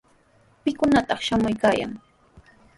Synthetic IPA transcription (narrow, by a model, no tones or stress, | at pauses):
pɪkʊnat̪ɑχʃamʊjkaːja̰ŋ